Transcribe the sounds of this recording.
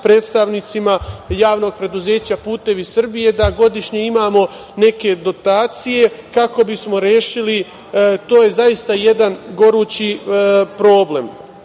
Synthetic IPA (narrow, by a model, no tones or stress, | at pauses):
pɾe̞ːt̪st̪aʋnit̪simajaːʋno̞ɡ̚pɾe̞d̪uze̞ːt͡ɕapuːt̪e̞ʋisr̩bije̞d̪aɡo̞d̪iʃɲe̞imaːmo̞ | ne̞ke̞d̪o̞t̪aːt̪sije̞kako̞bismo̞ɾjeːʃili | t̪o̞ːje̞zajist̪aje̞d̪anɡo̞ɾuːt͡ɕipɾo̞ːble̞m